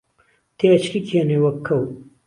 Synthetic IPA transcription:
t̪ʰeɐt͡ɕkikʰeːnewɐkʰːɐw

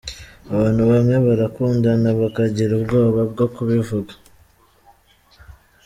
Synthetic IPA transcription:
aβaːn̥huβamŋe̞βaɾakuːndanaβakaɟiɾubɡo̞ːβabɡo̞kuβivuɡḁ

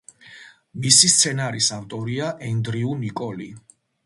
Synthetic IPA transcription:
misist̪sʰɛnaɾisaft̪ʼɔɾiaʔɛnd̪ɾiunikʼɔli

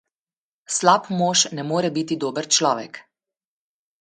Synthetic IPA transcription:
slaːpmoːʃnɛmoːɾɛbit̪id̪oːbəɾt͡ʃlɔːʋɛk

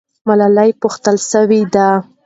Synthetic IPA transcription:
malalajpʊxt̪əlʃəwid̪a

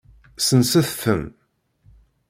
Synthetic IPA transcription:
sənsæθθəm

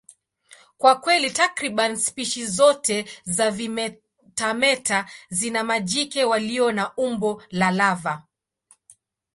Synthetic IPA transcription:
kwakwɛlitakɾiɓanispiʃizɔtɛzav | tamɛtazinamad͡ʒikɛwaliɔnaumbɔlalava

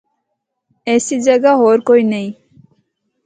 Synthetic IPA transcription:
esid͡ʒəɡaɦoːɾkoineĩ

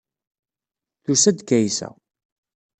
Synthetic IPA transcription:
θusæd̪kːæjsæ̰

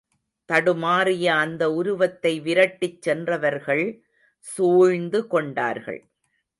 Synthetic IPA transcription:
t̪ɐɽɯmaːrɪjɐːnd̪ɐʊɾʊʋɐt̪ːɐɪʋɪɾɐʈːɪt͡ʃːɛndrɐʋɐɾɣɐɭ | suːɻnd̪ɯkɔɳɖa̰ːɾɣɐ̰ɭ

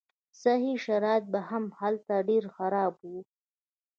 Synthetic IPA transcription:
saɦiʃaɾɑjt̪̚bahamhalt̪aɖeɾxaɾɑbwu

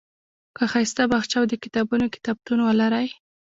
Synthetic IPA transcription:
kaxajst̪abaxt͡ʃawd̪əkɪt̪ɑbunokɪ̥t̪ɑb̚t̪unwalaɾaj

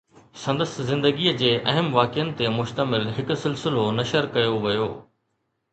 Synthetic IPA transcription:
sɐ̃nd̪əszɪ̃nd̪əɡiəd͡ʑeːʔɐɦəmʋaːkɪənɪ̆t̪emʊʃt̪əmɪlɦɪksɪlsɪlonɐʃəɾkɐjoʋɐjoː

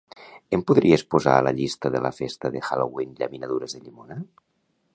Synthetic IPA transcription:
empuðɾiespoza̰ːlaʎist̪əðela̰fest̪əðexalowinʎaminaðuɾezðeʎimona

